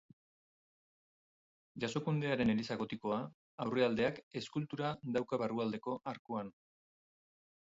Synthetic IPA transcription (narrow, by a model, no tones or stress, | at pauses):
ʝaso̞kund̪e̞aɾe̞ne̞lisaɣo̞t̪iko̞a | awre̞ald̪e̞ake̞skult̪uɾad̪awkaβaruald̪e̞ko̞ʔaɾkuan